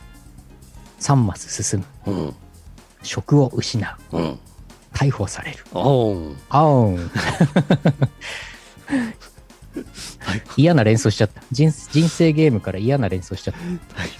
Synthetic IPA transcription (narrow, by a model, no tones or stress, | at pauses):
sãmːasɨ̥sɨsɨmɯ̟ | ɕo̞kɯ̟o̞ʔɯ̟ɕinaɯ̟ | k̪ʰaiho̞ːsaɾe̞ɾɯ̟ | a | ijanaɾẽ̞ɰ̃soɕi̥t͡ɕat̪ːḁd͡ʑĩd͡ʑĩɰ̃se̞ːɡʲe̞ːmɯ̟kaɾaijanaɾẽ̞ɰ̃so̞ːɕi̥t͡ɕat̪ːḁ